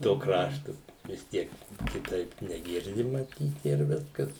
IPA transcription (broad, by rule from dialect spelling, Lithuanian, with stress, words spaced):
toː ˈkrɑːʃtʊ ʋʲɪs ˈtʲiɛk kʲɪˈtɐɪp nʲɛˈɡʲɪrʲdʲɪ mɐˈtʲiːt ɪr ˈʋʲɪskɐs